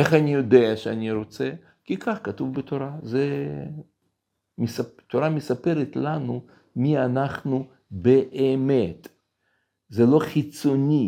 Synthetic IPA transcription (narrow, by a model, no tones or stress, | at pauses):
eχanijod̪eaʃeanʲiɾot͡se | kikʰaχkat̪uvbet̪oɾaze | misat̪oɾamesapeɾet̪lanu | mianaχnu | beʔemet̪ | zelo̞χit͡sonʲi